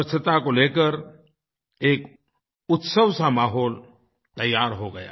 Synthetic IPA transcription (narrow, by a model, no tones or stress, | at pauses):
əsət̪akoleːkəɾ | eːk | ʊt̪səʋsamaːɦɔːl | t̪ɐjːaːɾɦoɡɐja̰ː